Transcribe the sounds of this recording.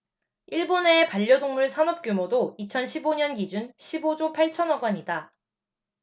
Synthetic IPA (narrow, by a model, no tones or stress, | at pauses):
iɭbone̞ːpaʎːjʌdoŋmuɭsʰanʌp̚k͈jumodoit͡ɕʰʌnɕʰiboɲʌnɡid͡ʑunɕʰibod͡ʑopʰaɭt͡ɕʰʌnʌɡwaɲida